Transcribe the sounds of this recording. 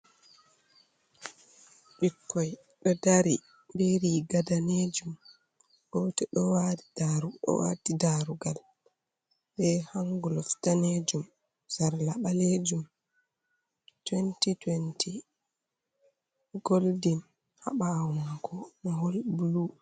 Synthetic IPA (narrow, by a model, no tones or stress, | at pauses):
ɓikːɔj | ɗɔdaɾi | beɾiɡadaned͡ʒum | ɡɔtɛɗɔwaddaɾuɗɔ̰wa̰didaɾuɡal | ɓɛhaŋɡulɔftaned͡ʒum | saɾlaɓaled͡ʒum | twentitwenti | ɡoldin | ha̰ɓawakʰɔnɔɦɔlbulu